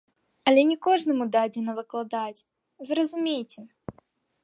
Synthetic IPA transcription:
ɐlʲɛnʲɛkɔʐnɐmud̪ad͡zʲɪnɐvɨklˠad̪at͡sʲ | zrɐzumʲejt͡sʲɛ

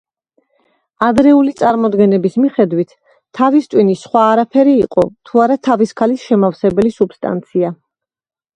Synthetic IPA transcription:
ad̪ɾɛulit̪sʼaɾmɔd̪ɡɛnɛbismiχɛd̪wit̪ʰː | avist̪ʼwinisχwaːɾapʰɛɾiːqʼɔ̰t̪ʰuaɾat̪ʰaviskʰalisʃɛmafsɛbɛlisubst̪ʼa̰nt̪sʰia

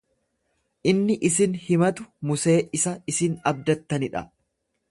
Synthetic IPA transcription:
ʔɪnːɪʔɪsɪnhɪmɐt̪ʊmʊse̞ːʔɪsɐɪsɪnɐb̚d̪ɐt̪ːɐnɪᶑɐ̰

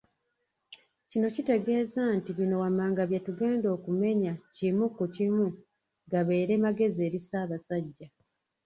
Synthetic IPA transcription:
cino̞cite̞ɡe̞ːzantiβino̞wamaːŋɡaβjatuɡe̞ːndo̞ːkume̞ɲacimukːucimu | ŋɡaβe̞ːɾe̞maɡe̞ze̞ːɾisaːβasaɟːa

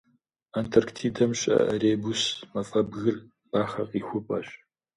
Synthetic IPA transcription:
aːntʰɐrktʰiːdɐmɕʼɐ̰ʔɐreːbusmɐfʼɐbɣɨr | b̥aːχɐ̰qʼiːxʷʊpʼɐɕʼ

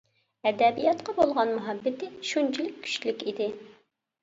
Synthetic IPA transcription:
ɛd̪ɛbijɑt̪qɑbolˠʁɑnmuɦɑbːɪt̪ɪʃunt͡ʃʰilykʲʰːy̥ʃlykʲid̪ɪ

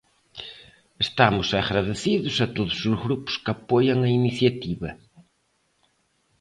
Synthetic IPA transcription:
eʃt̪amʊzɐɣɾɐðɨsiðʊzɐt̪oðuzuzɣɾupʊ̥skɐpojɐ̃w̃ɐinisiɐt̪iβɐ

